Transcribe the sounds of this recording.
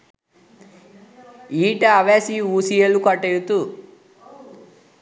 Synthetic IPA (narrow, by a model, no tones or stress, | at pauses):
iːʈɐːʋeːsiuːsijelukɐʈːejut̪u